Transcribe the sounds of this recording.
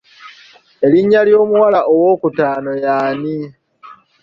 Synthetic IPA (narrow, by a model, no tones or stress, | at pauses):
e̞liɲːaljo̞ːmuwalaʔowo̞ːkutaːnojaːni